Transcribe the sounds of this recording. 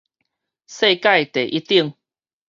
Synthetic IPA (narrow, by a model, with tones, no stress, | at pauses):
se˥˧ka˥˧jt̪e˨˩ʔi˦t̪i˥˧ŋ